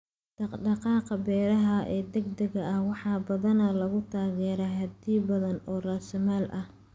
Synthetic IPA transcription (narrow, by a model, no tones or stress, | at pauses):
d̪̥ɑqɖɑqɑːqɑbɛːɾɐɦɐʔɛːd̪ɐɡd̪ɐɣɐɐhwɑħɑːbɐðɐnɐlɐɣʊt̪ʰaːɣɛːɾɛɦɐd̪iːbɐðɐnɔːraːsɐmaːlʔɐh